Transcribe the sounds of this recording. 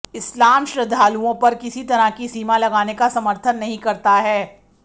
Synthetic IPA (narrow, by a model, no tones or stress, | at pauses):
ɪslaːmʃɾɐd̪ʱaːluõpɐɾkɪsit̪ɐɾəkisiːmalɐɡaːnekasɐməɾt̪ʰənːɐɦĩkɐɾt̪aɦɛː